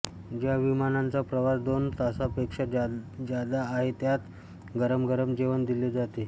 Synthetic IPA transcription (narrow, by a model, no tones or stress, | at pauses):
d͡ʑjaʋimanant͡sapɾəʋasd̪ont̪asapekʂəd͡ʑjad̪aːɦet̪jat̪ | ɡəɾəmɡəɾəmd͡ʑeʋənd̪iled͡zat̪e